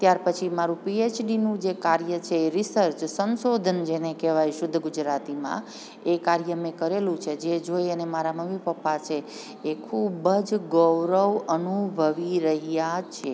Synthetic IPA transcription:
t̪jaɾpət͡ʃʰimaɾũpiet͡ʃɖinũd͡ʒekaɾjət͡ʃʰeːɾisəɾt͡ʃsənsod̪ʱənd͡ʒenekeʋajʃʊd̪ʱːəɡʊd͡ʒɾat̪imã̰ | ekaɾjəmẽkəɾelũt͡ʃʰed͡ʒed͡ʒoiənemaɾaməmipəpːat͡ʃʰeː | kʰubəd͡ʒɡəwɾəʋənubʱəʋiɾəɦjat͡ʃʰe

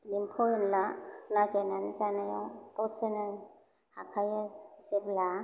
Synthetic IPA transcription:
limpʰɔinlanaɡenanzanajɔŋtɔwsena | hakʰajazebla

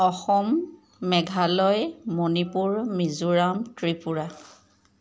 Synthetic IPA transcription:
ɔxɔmː | ɛɡʱalɔjmonipuɹmizuɹamtɹipuɹa

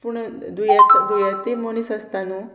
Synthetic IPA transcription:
puɳd̪ujat̪d̪ujat̪ːimonisəst̪anu

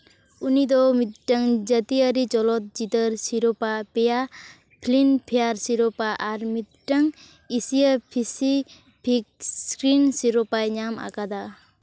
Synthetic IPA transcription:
unid̪ɔmit̪̚ʈəŋd͡ʒət̪iəɾit͡ʃɔlɔt̪̚d͡ʒit̪əɾsiɾɔpapeja | pʰlinpʰejaɾsiɾɔpaʔaɾmit̪̚ʈəŋ | isijapʰisi | pʰik̚sskɾinsiɾɔpajɲama̰kad̪a

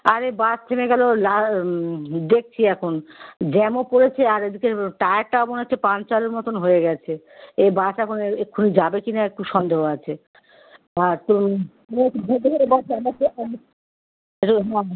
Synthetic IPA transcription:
aɾebast̪ʰemeɡɛlola | d̪ek̚t͡ɕʰiɛkʰond͡ʑɛmopoɾet͡ɕʰeaɾed̪ikeʈaak̚ʈaoboneot͡ɕʰepãnt͡ɕaleɾmɔt̪onɦoeɡɛt͡ɕʰe | ebasɛkʰoneekʰːunid͡ʑabekinaek̚ʈuʃɔnd̪ʱeɦoat͡ɕʰe | aɾt̪o | ekbʱed̪eeɾebɔt͡ʃaɾmateɔ | eʈuɦɛ

